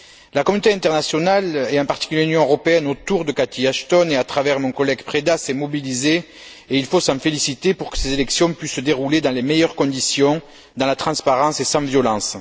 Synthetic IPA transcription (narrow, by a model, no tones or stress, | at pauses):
lakɔmynot̪eɛ̃nt̪ɛʁnasjɔnalɛɑ̃mpaʁt̪i̥kyljeynjɔ̃øʁɔpeɛnot̪uʁd̪əkat̪iaʃt̪ɔneat̪χavɛʁmɔ̃kɔlɛɡpχed̪asɛmɔbilize | eilfosɑ̃felisit̪epuʁkə̥sezelɛksjɔ̃pɥisːəd̪eʁuled̪ɑ̃lemejœʁkɔ̃d̪isjɔ̃ | d̪ɑ̃lat̪χɑ̃spaʁɑ̃sesɑ̃vjɔlɑ̃s